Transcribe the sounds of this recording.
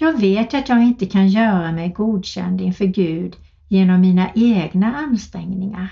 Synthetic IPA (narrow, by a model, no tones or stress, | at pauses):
jɑːɡveːt̪at̪jɑːɡɪnt̪əkʰanjœːɾamɛjɡuːd̪ɕɛ̰nd̪ɪnfœːɾɡʉ̟ːd̪ | jeːnɔmːiːnaʔeːɡnaanst̪ɾɛŋnɪŋa̰ɾ